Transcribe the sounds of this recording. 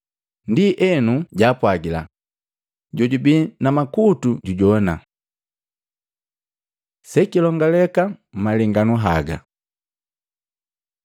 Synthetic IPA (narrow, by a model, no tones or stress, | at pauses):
ndiʔɛnuɟaːpwaɡila̰ | ɟɔɟubinamakutuɟuɟɔna | sɛkilɔŋɡalɛkam̩maliŋɡanuɦaɡa̰